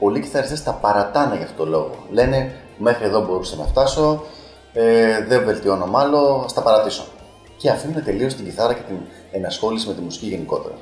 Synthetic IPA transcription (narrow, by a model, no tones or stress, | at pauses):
po̞lici̥θɐɾist̪est̪ɐpɐɾɐt̪ɐnɐʝɐft̪ot̪olo̞ɣo̞̰le̞ne̞ | me̞xɾie̞ðo̞bo̞ɾusɐnɐ̰ft̪ɐso̞ | eðe̞ɱve̞lt̪io̞no̞mɐlo̞st̪ɐpɐɾɐt̪iso̰ | ceɐfimnet̪e̞lio̞st̪iɟiθɐɾɐce̞t̪in | enɐsxo̞lisime̞t̪imusi̥ciʝe̞niko̞̰t̪e̞̰ɾɐ̰